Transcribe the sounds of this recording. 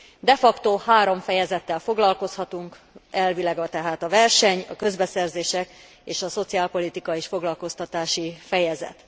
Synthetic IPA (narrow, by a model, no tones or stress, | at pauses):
d̪ɛfɒkt̪oːhaːɾo̞ɱfɛjɛzɛt̪ːɛlfo̞ɡlɒlko̞shɒt̪uŋk | ɛlvilaɡɒt̪ɛɦaːt̪ɒvɛrʃɛɲɒ̰kø̞zbɛsɛrzeːʃɛk | eːʃɒso̞t̪siaːlpo̞lit̪ikɒeːʃfo̞ɡlɒlko̞st̪ɒt̪aːʃifɛjɛzɛ̰t̪